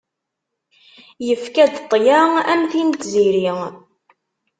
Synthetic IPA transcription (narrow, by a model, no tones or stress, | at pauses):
jəfkæd̪t̪ˤːjaæmθint̪ziɾi